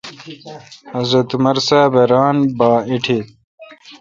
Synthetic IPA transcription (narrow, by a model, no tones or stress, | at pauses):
ɐzɾɐt̪umɐɾsaːbʱɐɾaːnbaːiʈʰet̪